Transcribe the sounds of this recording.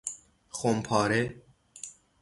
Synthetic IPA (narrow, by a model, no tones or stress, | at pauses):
xompʰɑːɾe